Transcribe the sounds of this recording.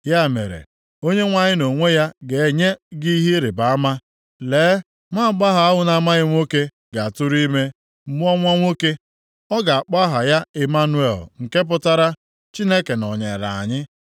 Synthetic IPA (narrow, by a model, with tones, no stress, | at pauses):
ja˦˨mḛ˨ɾḛ˨ | o˦ɲe˦ŋʷa˨ɲɪ˦no˨ŋʷe˦ja˦ɡe˨e˦ɲe˦ɡi˦ɦi˦ɾɪ˨ba˨a˦ma˦ | leː˨˦ | ŋʷa˦a˨k͡pa˦ɦa˨a˦ɦʊ˦na˦ma˦ɣɪ˦ŋʷo˦ke˦ | ɡa˨a˨tʊ˦ɾi˦me˦ | m̩˦mu˦ɔ˦ŋʷa˦ŋʷo˦ke˦ | ɔ˦ɡa˨a˨k͡pa˦ɦa˨ja˦e˨ma˦nu˦e˦˨lŋ̩˨ke˦p̬ʊ˦ta˦ɾa˦ | t͡ʃi˦ne˦ke˨nɔ˨ɲḛ˨ɾa̰˨a̰˨ɲɪ˦